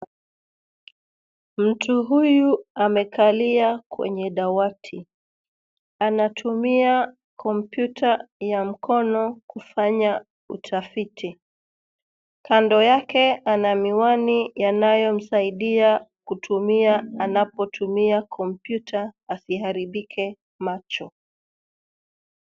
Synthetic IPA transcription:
m̩tʰuɦujuamɛkʰaliakwɛ̰ɲɛɗawatʰi | anatʰumia | kʰɔmpjutʰajam̩kʰɔnɔkufaɲa | ṵtʰafitʰi | kandɔjakɛanamiwanijanajɔm̩saiɗiakutʰumiaːnapɔtʰumiakʰɔmpjutʰaːsihaɾiɓikʰɛ | mat͡ʃɔ

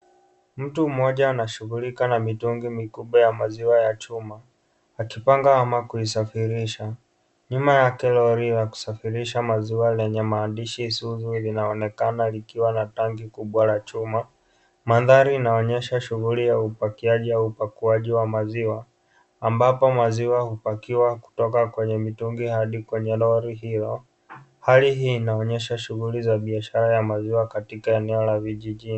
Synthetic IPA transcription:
m̩tum̩mɔʄaːnaʃuɣulikanamituŋɡimikuɓwajamaziwajat͡ʃumaː | kipaŋɡahamakuisafiɾiʃa | ɲumajakɛlɔɾijaku̥safiɾiʃamaziwalɛɲɛmaːndiʃisuzulinaɔnɛkanalikiwanataŋɡikuɓwalat͡ʃuma | maðaɾiːnaɔɲɛʃaʃuɣulijaupakiaʄiaupakuaʄiwamaziwaː | mbapɔmaziwahupakiwaku̥tɔkakwɛɲɛmituŋɡihaɗikwɛɲɛlɔɾiɦilɔ | haliɦiːnaɔɲɛʃaʃuɣulizaɓiaʃaɾajamaziwakatikaɛnɛɔlaviʄiʄini

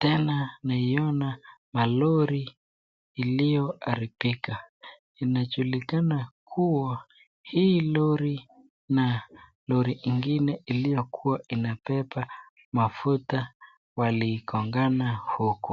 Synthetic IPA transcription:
tɛnanaiɔnamalɔɾi | ilijɔaɾipika | inaʄulikanakʰuwa | hiːlɔɾi | na | lɔɾiʔiŋɡinɛʔilijɔkʰuwaʔinapɛpa | mafuta | waliːkʰɔŋɡanahukɔ

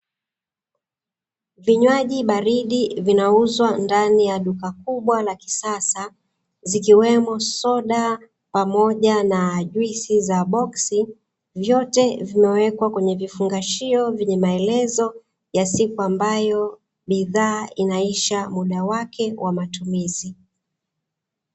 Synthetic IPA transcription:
viɲwaʄiɓaɾiɗivinauzwandanijaɗukak̚uɓwalaki̥sasa | zikiwɛmɔsɔɗa | pamɔʄanaʄwisizaɓɔksi | vjɔtɛvimɛwɛkwakwɛɲɛvifuŋɡaʃiɔvɛɲɛmaɛlɛzɔ | jasikuambajɔ | ɓiðaːinaiʃamuɗawakʰɛwʔamatumizi

